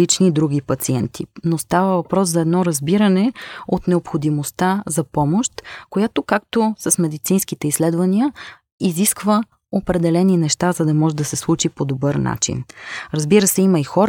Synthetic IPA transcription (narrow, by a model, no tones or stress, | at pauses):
it͡ʃniːd̪ɾuɡ̟ipɐt̪siɛnt̪ʰḭnost̪avəvɐpɾɔs̬zɐɛd̪nɔɾɐzbiɾənɛot̪nɛopxod̪imost̪azɐpɔmoʃt̪kojat̪okak̚t̪osɐsmɛd̪it̪sinskit̪ɛislɛd̪vɐniə | iziskvə | opɾɛd̪ɛlɛninɛʃt̪azɐd̪ɐmɔʒɛd̪ɐsɛslˠut͡ʃipod̪obɤɾna̰t͡ʃḭnɾəzbiɾəsɛimɐixɔɾ